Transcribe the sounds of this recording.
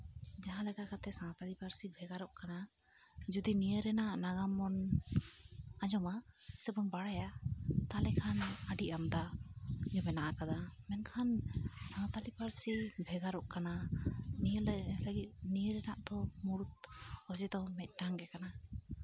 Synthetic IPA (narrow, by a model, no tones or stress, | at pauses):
d͡ʒaɦãlɛɡakat̪ɛsãt̪alipaɾsibʱɛɡaɾɔʔkana | d͡ʒud̪inijəɾɛnaʔnaɡamːɔn | ad͡ʒɔmasɛbɔnbaɽajat̪alɛkʰanaɖiʔamd̪aɡɛbɛnaʔakad̪amɛnkʰansãt̪alipaɾsibʱɛɡaɾɔʔkananiəllaɡit̪̚nijəɾɛnaʔd̪ɔmuɾut̪̚ɔd͡ʒɛd̪ɔmɛt̪̚ˀʈaŋɡɛkana